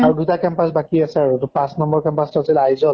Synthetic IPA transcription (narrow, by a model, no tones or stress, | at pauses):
aɹudutakɛmpasbakiasɛaɹutupãsnɔmbɔɹkɛmpastɔasilajzɔ